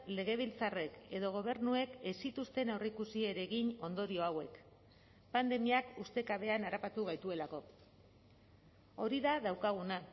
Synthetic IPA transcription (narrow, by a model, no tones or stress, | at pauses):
le̞ɣe̞β̞ilt͡sare̞ke̞ðo̞ɣ̞o̞β̞e̞ɾnue̞kesit̪ust̪e̞nawrekusie̞ɾe̞ɣiɲo̞nd̪o̞ɾio̞awe̞k | pand̪e̞miakust̪e̞kaβe̞anaɾapat̪uɣ̞ajt̪ue̞lako̞ | o̞ɾiðaðawkaɣ̞una